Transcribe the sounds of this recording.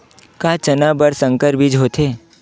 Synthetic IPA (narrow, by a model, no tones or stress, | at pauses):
kaːt͡ʃənabəɾsə̃ŋkəɾbʱid͡ʒɦot̪ʰeː